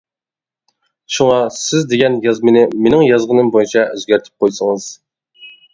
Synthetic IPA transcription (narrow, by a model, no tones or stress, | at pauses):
ʃuŋɑsɪzd̪eɡʲɛnjɑzmɨnɪmenɪŋjɑzʁənɨmbojit͡ʃʰɛʔøzɡʲæɾt̪ʰɪ̥p̚qʰojsəŋɨz̥